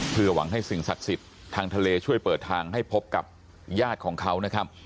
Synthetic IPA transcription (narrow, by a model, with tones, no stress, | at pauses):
pʰɯ˧˩ɐwa̰˩˦ŋɦa˥˩jsi˨˩ŋsa˨˩t̪̚si˨˩t̪ʰːaː˧ŋt̪ʰa˧leː˧t͡ɕʰu˥˩əjpɤː˨˩t̪ʰːaː˧ŋɦa˥˩jpʰo˦˥p̚ka̰˨˩p̚ | jaː˥˩t̪̚kʰɔː˩˦ŋkʰa˦˥wna˦˥kʰɾa˦˥p̚